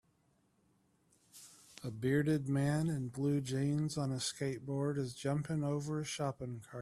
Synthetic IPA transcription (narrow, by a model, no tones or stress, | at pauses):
əbɪɹɾɨd̚mæ̃nɨ̃nblʉd͡ʒẽɪ̃nzn̩əskeɪt̚b̥ɔɹɾɨzd͡ʒʌ̃mpɪ̃ŋoʊvə˞ɨʃɑpɪ̃ŋkʰɑɹ̚